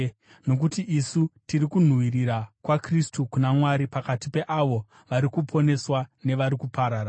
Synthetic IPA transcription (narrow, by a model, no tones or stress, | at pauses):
no̞k̬utiʔisutiɾikun̤wiriɾakwakristukunamwaɾipakatipe̞ʔaʋo̞ | ʋaɾikupʰo̞ne̞swane̞ʋaɾikupaɾaːɾa